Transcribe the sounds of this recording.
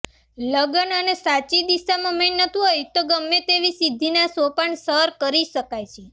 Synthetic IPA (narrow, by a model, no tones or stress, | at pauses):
ləɡənənesat͡ʃid̪isamãmennət̪ʰiɦojt̪oɡəmːet̪eʋisid̪ʱːinasopaɳsəɾkəɾiʃəkajt͡ʃʰe